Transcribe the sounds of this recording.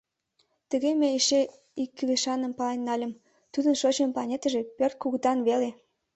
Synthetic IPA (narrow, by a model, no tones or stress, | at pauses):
t̪ə̆ɣemeeʃe | ikːyleʃɑnəmpɑlenːɑlʲə̆m | t̪ud̪ənʃot͡ɕəmpɑnʲet̪ə̆ʒepørt̪̚kuɣət̪ɑnβele